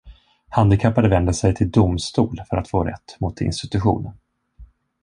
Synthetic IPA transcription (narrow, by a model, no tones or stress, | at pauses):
hand̪ɪkʰapːad̪əvɛnd̪əsɛjt̪ʰɪld̪ʊmst̪uːlfœɾat̪foːɾɛ̰t̪ːmʊt̪ʰːɪ̰nst̪ɪt̪ɵɧṵːnən